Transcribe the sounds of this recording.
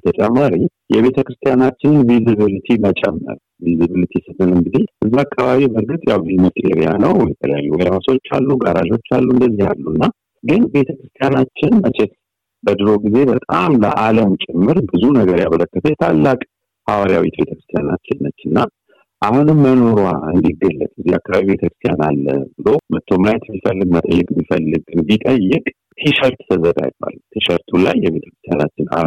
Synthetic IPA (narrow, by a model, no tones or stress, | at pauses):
t̪ʰət͡ʃʼɛmːaɾi | jɛβe̞t̪ʰəkɾɨst̪ʰijanat͡ʃːɪnnvizɨβɨlɨt̪ʰimət͡ʃʼɛ̰mːə̰ɾ | vizɨβɨlit̪ʰisɨt̪ːɨlɨŋɡɨd̪e̞ʔɨzːiakʰːaβaβibəɾɡɨt̪ʼjawbɨzmot̪ʼḛɾija̰nəwjɛt̪ʰələja̰jːuwɔjmaso̞t͡ʃːa̰lːuɡaɾaʒo̞t͡ʃːalːuɨnd̪əzːiha̰lːunːa | ɡɨnbe̞t̪ʰəkɾɨst̪ʰijanat͡ʃːɪnmət͡ʃʰɛt̪ | bəd̪ɨɾo̞ɡize̞bət̪ʼamlə̰ʔaləmt͡ʃʼɪmːɨɾbɨzunəɡəɾjamələkːət̪ʰəjɛt̪ʰalːakʼ | hawaɾija̰wet̪be̞t̪ə̥kɾɨst̪ʰijana̰t͡ʃːɪnːət͡ʃːɨnːa | ʔahunɨmːəno̞ɾwaɨnd̪iɡːəlːə̰t̪ʼziakːaβaβiβe̞t̪ʰəkɾɨst̪ʰijanalːə̰bɨlo̞mət̪ʰːomlajt̪mːifəlːɨɡmət̪ʼəjːɛkʼmːifəlːɨɡɨnbit̪ʼəjːɛkʼ | t̪ʰiʃəɾt̪t̪ʰəzəɡa̰jɪb̥a̰lt̪ʰiʃəɾt̪ʰula̰jːɛβe̞t̪ʰə̥kɾɨst̪ʰjanat͡ʃːɪna̰